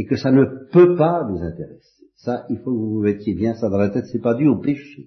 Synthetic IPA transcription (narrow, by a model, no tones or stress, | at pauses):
ekəsanəpøpavuzɛ̃t̪eʁɛse̥saʔilfokəvuvuvɛt̪jebjɛ̃sad̪ɑ̃ʁlat̪ɛt̪sɛpad̪yopeʃe